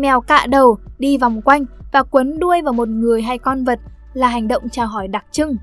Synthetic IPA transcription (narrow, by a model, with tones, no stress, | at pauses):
mɛ˨˩wka̰ː˧˨ɗə˨˩wɗi˧va˨˩wŋ͡mkwa˧jŋ̟vaː˨˩kwə˨˦nɗu˧əjvaː˨˩wmo˨˩t̚ŋɨ˨˩əjɦa˧jkɔ˧nvə˨˩t̚ | laː˨˩ɦa˨˩jŋ̟ɗə̰˧˨wŋ͡mt͡ɕaː˧˩wɦɔ˧˩jɗa˨˩k̚t͡ɕɨ˧ŋ